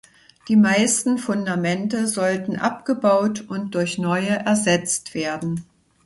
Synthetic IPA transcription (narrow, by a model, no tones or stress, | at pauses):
d̥iːmaɪstn̩fʊndamɛntəzɔltn̩ʔapɡ̥əbaʊtʊnt̚d̥ʊɐçnɔʏəʔɛɐzɛt͡stv̥eːɐdn̩